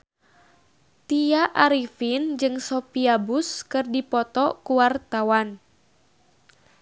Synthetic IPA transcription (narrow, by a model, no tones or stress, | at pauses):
t̪iaʔaɾifind͡ʒɨŋsɔpiabuskɨrdipɔt̪ɔkuwart̪awan